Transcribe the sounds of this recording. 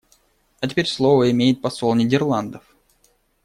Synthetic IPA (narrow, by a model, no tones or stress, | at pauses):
ɐtʲɪ̥pʲeɾʲslˠovəɪmʲejɪt̪̚pɐsolˠnʲɪdʲɪrlˠand̪əf